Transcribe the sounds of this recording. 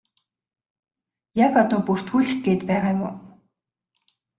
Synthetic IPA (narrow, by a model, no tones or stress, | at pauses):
jakat̪ɔːpur̥t̪xuːɮɘ̆x̚ɡeːt̪pæːʁaːjmʊ̰ː